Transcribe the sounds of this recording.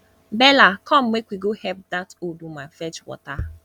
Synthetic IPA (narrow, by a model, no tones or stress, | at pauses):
bɛlakʰɔm̩mekʷiɡohɛp̚datodumafɛt͡ʃwɔ̰ta